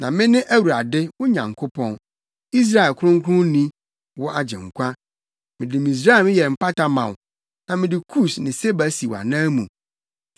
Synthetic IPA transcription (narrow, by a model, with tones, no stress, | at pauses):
nã˨mɪ̃˦nɪ̃˦ʔæ˦wu˨ɾa˨dɪ˦wʊ˦ɲã̰˨ŋkʰo˦pʰɔ̃˨n | i˦s̬ɾa˦ɛ˨lkʰʊ˦ɾʊ̃˦ŋ˦kʰʊ̃˦nĩ˦ | wɔ˦ʔa˨d͡ʑɛ̰̃˨ŋ˨kʷʰã˦ | mɪ̃˨dɪ˨mĩ˨s̬ɾa˦ɛ˨mɪ̃˦jɛ˨m̩˨pa˦ta˨mã̰˨w | nã˨mɪ̃˨dɪ˨kʰu˦˨snɪ̃˨se˦bæ˨si˨wa̰˨nãː˦mũ˨